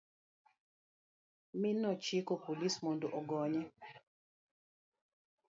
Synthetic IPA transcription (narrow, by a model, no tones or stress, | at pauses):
mɪnɔt͡ʃikopolismondoʔɔɡɔɲɛ